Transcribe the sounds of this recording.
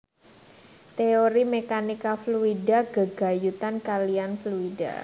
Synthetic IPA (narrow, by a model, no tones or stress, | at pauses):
t̪eoɾimekanikafluidaɡ̥əɡ̥a̤jut̪ankalianfluida̰